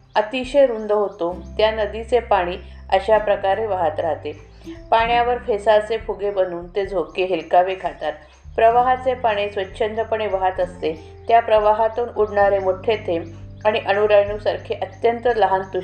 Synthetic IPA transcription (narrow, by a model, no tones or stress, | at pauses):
ət̪iɕeɾund̪əɦot̪ot̪janəd̪it͡sepaɽ̃iː | əɕapɾəkaɾeʋəɦat̪ɾaɦt̪e | paɳjaʋəɾfʰesasepʰuɡebənuːnt̪ed͡zʱokeɦilkaʋekʰat̪at̪̚ | pɾəʋaɦat͡sepaɽ̃esʋətːɕʰənd̪ɾəpəɳeʋəɦat̪əst̪e | t̪japɾəʋaɦat̪uːnuɽɳaɾemoʈʰet̪ʰemaɽ̃iʔənuɾəjɳusaɾkʰeʔət̪jənt̪ələɦant̪u